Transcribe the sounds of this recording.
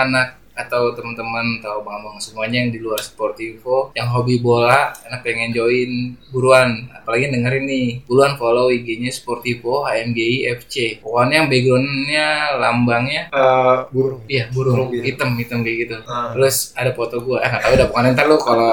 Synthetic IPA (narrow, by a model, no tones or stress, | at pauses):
anak̚ | at̪awt̪əmənt̪əmənt̪aubaŋambaŋsəmuaɲajaŋdiluarsə̥port̪ifojaŋɦobibolaanak̚peŋɛnd͡ʒoɪnbuɾuana̰palaɡindəŋaɾinib̥uluankalawiɡeɲasə̥port̪ifoɦaɛmɡeiɛft͡ʃepokanjaŋbeɡɾonɲalambaŋɲaəuɾijabuɾupit̪əmit̪əmɡəɡit̪up̪lʊsadapot̪oɡuajaŋat̪audapukanɛnt̪arlʊkala